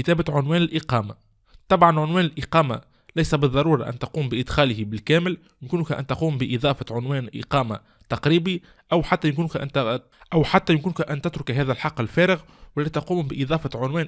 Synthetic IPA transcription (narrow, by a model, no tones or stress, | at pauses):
kɪt̪æːbaʕʊnwæːnɪlʔɪqɑːma | t̪ˤɑbʕɑnʕʊnwæːnɪlʔɪqɑːma̰ | læjsæbɨðˤːɑɾˤuːɾˤɑʔæ̰nt̪ɑquːmbɪʔɪd̪xæːlɪhibɪlkæːmɪl | jɪmkuːnkʔæ̰nt̪ɑquːmbɪʔiðˤɑːfɑʕʊnwæːnlʔɪ̰qɑːma | t̪ɑqɾiːbi | ʔæwħat̪ːæjɪmkuːnkʔæ̰nt̪ | ʔæwħat̪ːæjɪmkuːnkʔænt̪ɪt̪ɾʊkɦæːðælħɑqːɪlfæːɾɪɣ | wɪlːæːt̪ɑquːmbɪʔiðˤɑːfɑʕʊnwæːn